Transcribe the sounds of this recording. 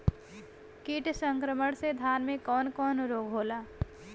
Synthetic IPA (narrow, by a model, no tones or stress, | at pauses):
kiʈsə̃ŋkɾəməɽ̃sed̪ʱjaːnmẽkɔːnkɔːnɾoːɡʱɦoːlaː